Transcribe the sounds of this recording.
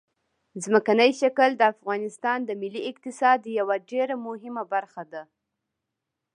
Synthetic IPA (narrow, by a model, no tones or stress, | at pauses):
zməkanəjʃakəld̪əafɣɑnɪst̪ɑnd̪əmɪlːiɪqt̪ɪsɑd̪jawaɖeɾamʊɦɪmabaɾxad̪a